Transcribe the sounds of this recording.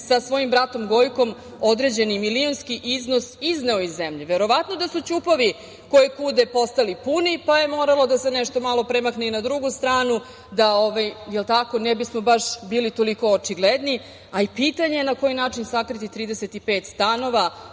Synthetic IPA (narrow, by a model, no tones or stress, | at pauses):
sasʋo̞jimbɾat̪o̞mɡo̞jko̞m | od̪ɾe̞d͡ʑe̞nimilionskiʔizno̞sizneoizːemʎeʋeɾo̞ʋat̪no̞d̪asut͡ɕupoʋi | ko̞jikuːd̪epo̞st̪alipunipaje̞mo̞ːɾalˠo̞d̪ase̞nɛʃt̪o̞malˠo̞pɾemakneinad̪ɾuɡust̪ɾaːnu | d̪aoʋajjelˠt̪ako̞nɛbismo̞baʃbiːlit̪o̞liko̞ːt͡ʂiɡled̪ni | aipit̪aɲenako̞jinaːt͡ʂinsakɾit̪it̪ɾiːd̪eset̪ipe̞ːt̪st̪ano̞ʋa